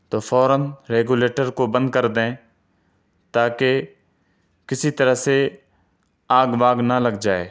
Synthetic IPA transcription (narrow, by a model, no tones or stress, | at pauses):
t̪oːfʰɔːɾənɾeːɡuːleːʈəɾkobə̃nd̪̚kəɾd̪ẽː | t̪aːke | kɪsit̪əɾəɦse | aːɡbaːɡnaləɡd͡ʒaːeː